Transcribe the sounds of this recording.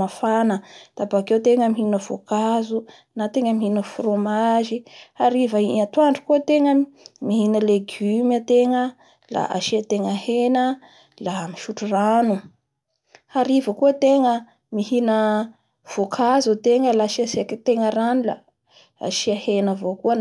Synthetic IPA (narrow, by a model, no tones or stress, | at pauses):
afanəd̪̥apakewt̪eŋəmiɦinəvokazu | nat̪eŋəmihinəfromaʒiaɾivəiat̪uaɳɖ͡ʐukuət̪eŋəmihinəleɡymət̪eŋə | la̰ʔa̰ʃiat̪eŋəhenə | lamiʃuʈ͡ʂuranu | aɾivəkuət̪eŋə | mihinə | v̥okʰazut̪eŋəlaʃiasekt̪eŋəɾanila̰ | ʃiahenəvokuən